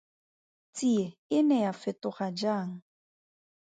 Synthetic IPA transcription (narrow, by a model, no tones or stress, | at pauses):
t͡sʼieɪnɛjafɪtʊχad͡ʒaːŋ̩